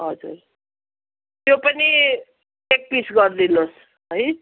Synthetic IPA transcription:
ɦʌd͡zṵɾ | t̪jopʌni | ek̚pisɡʌɾd̪inos | ɦʌj

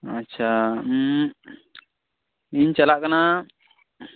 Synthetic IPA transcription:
ətːt͡ʃʰa | iɲt͡ʃalaʔkana

